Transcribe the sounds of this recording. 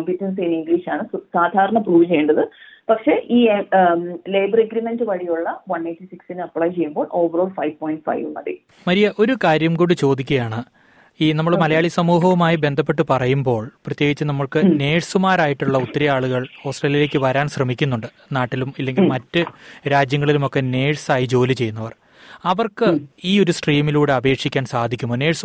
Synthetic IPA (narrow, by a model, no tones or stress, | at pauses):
ɐmpjitːɐns̬iiniŋɡiliːʂaːɳɨsaːd̪ʱaːɾɐɳɐpruːʋɨt͡ɕe̞juɳɖɐðɨ | pɐkʂe̞ːʔiːe | leːjbɐreɡɾimendɨʋɐɻijuɭːɐʋɐneːʈːisiksinɨɐpːɭaːjt͡ɕe̞jːumbo̞ːɭʔo̞ːʋɐroːɽfɐjʋpoːjiɳʈfɐ̰jʋunːɐ̰d̪ḭ | mɐɾijɐʔo̞ɾukaːɾjɐmkoːɽɖɨt͡ɕo̞ːd̪ikʲːɐjaːɳɨ | iːnɐmːɐɭmɐlɐjaːɭisɐmuːɦɐʋumaːjibe̞nd̪ʱɐp̬ːe̞ʈːɨpɐrɐjumbo̞ːɭprɐt̪jeːɡit͡ɕːɨnɐmːɐɭkɨne̞ːɻsumaːɾaːjiʈːuɭːɐut̪ːɐɾɐjaːɭuɣɐɭo̞ːsʈreːljile̞ːk̬ʲːɨʋɐɾaːnɕrɐmikʲːunːuɳɖɨ | naːʈːilumilːe̞ŋɡilmɐtːɨɾaːd͡ʑjɐŋːɐɭilumo̞kːe̞ne̞ːɻsaːjid͡ʑo̞ːlit͡ɕe̞jːunːɐʋɐr | ɐʋɐrkɨiːo̞ɾusʈriːmiluːɽe̞ɐbe̞ːkʂikʲːaːnsaːd̪ʱikʲːumboːne̞ːɻs